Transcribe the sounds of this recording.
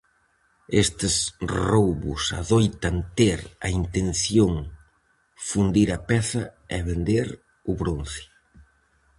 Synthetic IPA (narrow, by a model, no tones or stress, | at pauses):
est̪ɪsrowβʊ̰sa̰ðojt̪ɐnt̪eɾɐint̪enθjoŋ | fund̪iɾɐpɛθɐɛβend̪eɾ | ʊβɾon̟θɪ̥